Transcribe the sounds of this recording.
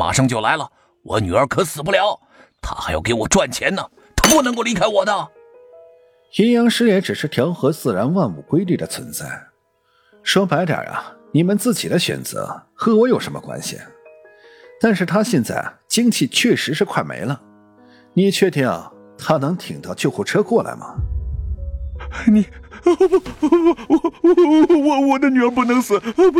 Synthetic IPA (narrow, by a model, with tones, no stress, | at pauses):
ma̰˨˩ʂɑ˥˧ŋt͡ɕjo˥˩ʊla˧˥ɪlə˨ | wɔ̰˨˧˩ny˨˩ə˞˧˥kʰɤ˧˥sɹ̩˨˩pu˥˩ljɑ˧˥ʊ | t̪ʰa̰˥xa˧˥ɪjɑ˨˩ʊke˧˥ɪwɔ˨˩ʈ͡ʂwa˥˩nt͡ɕʰjɛ˧˥nnə˨ | t̪o˥pu˥˩n˧˥ŋko˥˧ʊli˧˥kʰa˥ɪwɔ˨˩d̪ə˦ | xi˧˥njɑ˧˥ŋʂɻ̩˥jɛ˧˥nʈ͡ʂɻ̩˨˩ʂɻ̩˥˩t̪ʰjɑ˧˥ʊxɤ˧˥t͡sɹ̩˥˩ɻa˧˥nwa˥˧nu˨˩kwe˥ɪli˥˩d̪ə˩t͡sʰwə̰˧˥nt͡sa̰˥˩ɪ | ʂwɔ˥pa˧˥ɪt̪jə̰˞˨˩ɐ̰˦ni˨˩mə˦nt͡sɹ̩˥˩t͡ɕi˨˩d̪ə˦ɕɥɛ̰˨˩nt͡sɤ̰˧˥xɤ˧˥wɔ˧˥jo˨˩ʊʂə˧˥nmə̰˧kwa̰˥nɕḭ˩ | t̪a˥˧nʂɻ̩˥˩t̪ʰa˥ɕjɛ˥˧nt͡sa̰˥˩ɪt͡ɕi˥ŋt͡ɕʰi˥˧t͡ɕʰɥɛ˥˩ʂɻ̩˧˥ʂɻ̩˥˧kʰwa˥˩ɪmḛ˧˥ɪlə˧ | ni˨˩t͡ɕʰɥɛ˥˧t̪jɛ̰˥˩˨ | t̪ʰa˥nɤ˧˥ŋt̪ʰi˨˩ŋt̪ɑ˥˧ʊt͡ɕjo˥˧ʊxu˥˩ʈ͡ʂʰɤ˥kwɔ˥˩la̰˧˥ɪmɐ̰˩˧˩ | ni˧˩˧ | wɔ˩˨˩wɔ˧˩wɔ˨˩d̪ə˧˦ny˨˩ə˧˥p̬u˥˩nɤ˧˥ŋsɹ̩˨˩˦